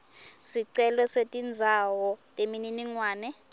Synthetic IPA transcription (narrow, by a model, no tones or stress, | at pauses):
siǀɛlɔsetʼind͡zʱawɔtʼemininiŋwaːnɛ